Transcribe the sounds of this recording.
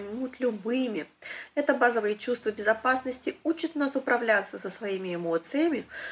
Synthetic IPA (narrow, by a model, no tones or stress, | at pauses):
nʲmut̪ʲlʲʊbɨmʲɪɛt̪əbazəvəjət͡ɕust̪vəbʲɪzɐpasnəsʲtʲɪut͡ɕɪt̪nasʊpɾʔɐvlʲat̪səsəsvɐimʲɪɪmo̞t̪sɨjəmʲɪ